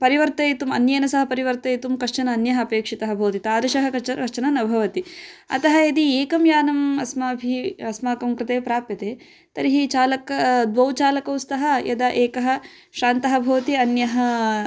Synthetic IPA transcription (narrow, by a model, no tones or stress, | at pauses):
pɐɾiʋɐɾt̪ɐjt̪umɐnjɐjɐnɐsɐɦɐpɐɾiʋɐɾt̪ɐjt̪umkɐʂt͡ʃɐnɐːnjɐɦɐɐpeːkʂit̪ɐɦɐ̆bʱɐːɐt̪it̪aːɾɐʃɐɦɐkɐt͡ʃɐɐʂt͡ʃɐnɐnɐbʱɐʋɐt̪iɐ̰t̪ɐɦɐed̪ieːkɐmjaːnɐmɐsmɐɐbʱiɐsmaːkɐmkɾɪt̪eːpɾaːpjɐt̪eː | t̪ɐɾiɦit͡ʃaːlɐkɐd̪ʋɐwt͡ʃaːlɐkɐwst̪ɐɦɐ̆jɐd̪ɐʔeːkɐɦɐ | ʃaːnt̪ɐɦɐbʱɐːt̪iɐnjɐɦɐ